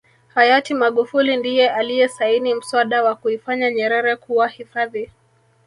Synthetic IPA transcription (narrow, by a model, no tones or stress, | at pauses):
hajatimaɠufulindijɛalijɛsainim̩swaɗawakuifaɲaɲɛɾɛɾɛkuwahifaði